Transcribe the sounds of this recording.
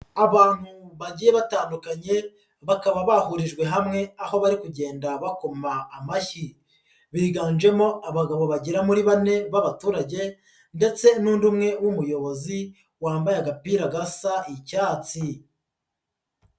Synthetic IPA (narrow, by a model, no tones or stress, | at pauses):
aβaːn̥huβaɟiːje̞βataːndukaɲe̞ | βakaβaβahuɾiʒɡwe̞ɦamŋe̞aho̞βaɾikuɟe̞ːndaβakomaːmaçi | βiːɡaːnd͡ʒe̞mo̞aβaɡaβo̞βaɟiɾamuɾiβane̞βaβatuːɾaɟe̞ | nde̞t͡se̞nuːndumŋe̞wumujo̞βo̞zi | waːmbajaɡapiːɾaɡasaicaːt͡si